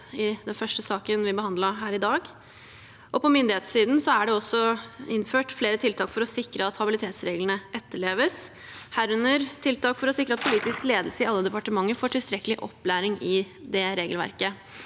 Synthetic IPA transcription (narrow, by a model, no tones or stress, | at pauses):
ɪd̪ɛnfœʂʈəsɑːkənʋɪbəhɑnd̪ləɦæːɾɪd̪ɑːɡ | ʔɔpʰɔmʏnd̪ɪheːt̪siːd̪n̩sɔæɖɛɔsːɔɪnːføːʈfleːɾət̪ʰɪlt̪ʰɑːkfɔɾɔsɪkɾəɑt̪hɑbɪlɪt̪ʰeːt̪sɾeːɡlənəʔɛt̪ːəɭeːʋəs | hæːɾʉnːəɾt̪ʰɪlt̪ɑːkfɔɾɔsɪkɾəɑt̪̚pʰʊliːt̪ɪskleːd̪l̩səɪɑlːəd̪ɛpɑʈəmɑŋːəɾfoːʈʰɪlst̪ɾɛkəlɪʔɔ̰pːlæːɾɪŋɪ | d̪ɛɾeːɡəlʋæ̰ɾkə